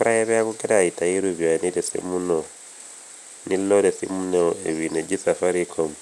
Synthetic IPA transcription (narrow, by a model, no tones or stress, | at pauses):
ɾaɛβɛakukɛɾaitajiɾubianidɛsḭmunɔ | nilːɔdɛsḭmunɛɛwinɛd͡ʒisafaɾikʰɔm